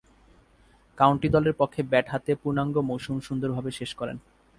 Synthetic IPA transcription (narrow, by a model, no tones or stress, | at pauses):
kawɳʈid̪ɔleɾpokʰːebɛʈɦat̪epuɾnaŋɡomowʃumʃund̪oɾbʱabeʃeʃkɔɾḛn